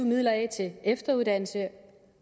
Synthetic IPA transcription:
umið̰ˠlɐɛt͡sʰe̝efd̥ɐuðˠd̥æn̰l̩sə

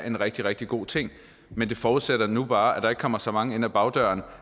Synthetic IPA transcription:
ʔe̝nʁɛɡ̥̚d̥iʁɛɡ̥̚d̥iɡ̥o̝̰ːt͡sʰe̝ŋ̰ | mend̥e̝fɒːuðˠseɾ̥ɐnub̥ɑ̈ːæd̥ɑe̝ɡ̥̚kʰɒ̽m̰ɐsɒ̽mɑ̈ŋəe̝n̰æb̥ɑ̈ʊd̥ɶɐn

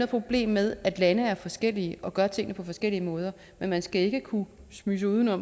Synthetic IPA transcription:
oðˠpʰʁo̝b̥le̝̰ːmːeð̞ˠæd̥lænəæɐfɒ̽sɡ̥el̰iəʔɒ̽ɡ̥ɶɐt͡sʰe̝ŋ̰nəpʰɒ̽fɒ̽sɡ̥el̰iəmɔ̽ːð̞ˠɐ | menmænsɡ̥æe̝ɡ̥əkʰu | smyːs̬əuð̞ˠn̩ɒ̽m

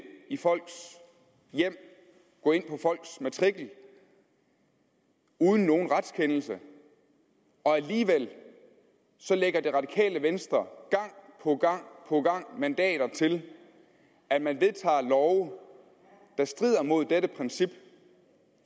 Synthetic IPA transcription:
ifɒ̽l̰ɡ̥s | jem̰ | ɡ̥ɔ̽ːe̝n̰pʰɒ̽fɒ̽l̰ɡ̥smæt͡sʰʁiɡ̥l̩ | uːðˠn̩ːo̝ːn̩ʁɑ̈d̥skʰenl̩sə | ɒ̽æliːʋel̰ | sɒ̽leɡ̥ɐd̥e̝ʁɑ̈d̥ikʰɛ̰ːləʋensd̥ʁɐɡ̥ɑ̈ŋ̰pʰɒ̽ɡ̥ɑ̈ŋ̰pʰɒ̽ɡ̥ɑ̈ŋ̰mænd̥ɛ̰ːɾ̥ɐt͡sʰe̝l | æd̥mænʋe̝ðˠt͡sʰɑ̰̈ːlɒʊ | d̥ɑ̈sd̥ʁiðˠɐmo̝ð̞̰ˠd̥eɾəpʰʁɛnsib̥

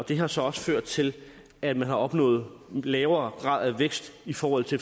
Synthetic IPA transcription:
ɒ̽d̥e̝ɦɑ̈sɒ̽ɒ̽sə̥føɐ̰d̥̚t͡sʰe̝l | æd̥mænhɑ̈ɒ̽b̥nɔ̰̽ːð̩ˠlɛːʊɐːɡ̥ʁɑ̰̈ðˠæʋeɡ̥sd̥ifɒːhɒ̽l̰t͡sʰe̝

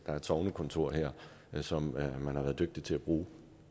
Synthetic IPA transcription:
d̥ɑ̈æɐed̥sɒʊnəkʰɔ̽nt͡sʰo̝ɐ̰ɦeɐ̰ | sɒ̽mmænhɑʋæːɐðˠdøɡ̥̚d̥it͡sʰe̝læb̥ʁuː

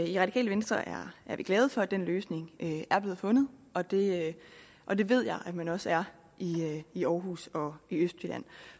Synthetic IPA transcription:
iʁɑ̥ikʰɛ̰ːləʋe̝nsd̥ʁɐʔæɐʔæɐʋiɡ̥lɛːðˠfɒ̽æd̥enløːsne̝ŋøæɐb̥le̝ːð̩ˠfɔ̽nð̞̩ˠɒ̽d̥e̝ | ʔɒ̽d̥e̝ʋe̝ð̞̰ˠjɑ̈ɪʔæ̥mænɒ̽səæɐ | ʔiiɒːɦuːsɒ̽iøsd̥syd̥æ̰n̰

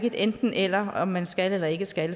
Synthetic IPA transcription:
ɡ̥əd̥̪end̪̥n̩ʔelɐɒmːænsɡ̥ælelɐe̝ɡ̥əsɡ̥æl

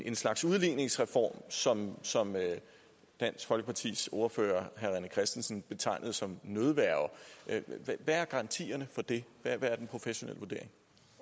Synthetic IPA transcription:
e̝nslɑ̈ɡ̥suðˠliːne̝ŋsʁɛfɒ̰ːmsɒ̽msɒ̽mø | d̥æn̰sɡ̥fɒ̽lɡ̥əpʰɑ̈t͡sʰḭːsoɐfø̰ːɐɦæʁænəkʰʁɛsd̥en̩sn̩b̥e̝t͡sʰɑ̈ɪ̰nəð̞̩ˠsɒ̽mnøð̞ˠʋæɐʊ | ʋææɐɡ̥ɑ̈ʁɑ̈nt͡sʰḭːɐnəfɒ̽d̥e̝ʋæʋææɐd̥enpʰʁo̝feɕo̝nḛl̰ʋuɐd̥e̝ɐ̰e̝ŋ

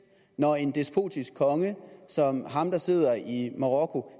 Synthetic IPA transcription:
nɒe̝nd̥e̝sb̥ʰo̝̰ːd̥ʰisɡ̥̚kʰɒ̽ŋəsɒ̽mɦɑ̈md̥ɑ̈se̝ð̞̰ˠɐʔimɑʁɒkʰo̝

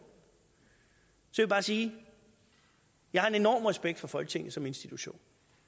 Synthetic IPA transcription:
sɒʋibɑ̈ːsiː | jɑ̈ɪhɑ̈e̝ne̝nɒ̰ːmʁɛsb̥eɡ̥̚d̥fɒ̽fɒ̽lɡ̥ət͡sʰe̝ŋð̩ˠsɒ̽me̝nsd̥it͡sʰuɕo̝̰ːn

